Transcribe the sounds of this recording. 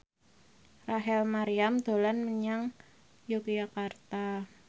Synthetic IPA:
raɦɛlmaɾiamd̪̥o̤lanməɲaŋ | jukjakart̪a

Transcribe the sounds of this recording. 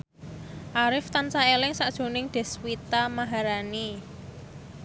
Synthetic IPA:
ʔaɾɪft̪ansaelɪŋsaʔd̥ʒ̥o̤nɪŋd̪̥ɛ̤swit̪amaɦaɾani

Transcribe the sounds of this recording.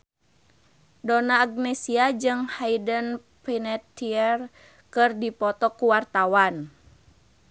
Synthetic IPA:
donaːɡ̚nɛsiad͡ʒɨŋhaidən | pɛnɛt̪iɛr | kɨrdipɔt̪ɔkuwart̪awan

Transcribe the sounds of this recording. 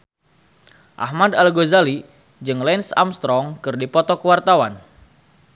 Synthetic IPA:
ʔa̰hmadalɡozali | d͡ʒɨŋlɛnsa̰mst̪ɾɔŋkɨrdipɔt̪ɔkəwart̪awan

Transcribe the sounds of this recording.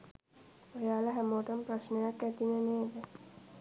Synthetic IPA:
ojaːlaɦæmoːʈəmpɾəʃnəjakːæt̪ineneːd̪ə

